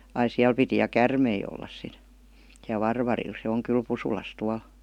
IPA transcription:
ɑi siæl piti jɑ kærmei olːɑs sit siæl ʋɑrʋɑril se oŋ kyl pusulɑs tuɑl

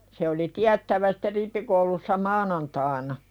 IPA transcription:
se oli tiætːæʋæ si̥tːe ripːikoulusːɑ mɑːnɑntɑːĭnɑ

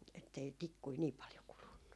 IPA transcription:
etːei tikːui niː pɑljo kulunːu

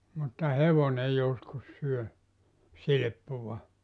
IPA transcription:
mutːɑ heʋone joskus syø silĭpːuʋɑ

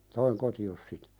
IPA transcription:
toiŋ kotios sitæ̥

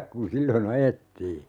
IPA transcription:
kun silːon ɑjetːiː

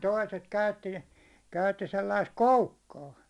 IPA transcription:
toiset kæytːi kæytːi selːɑist koukːɑː

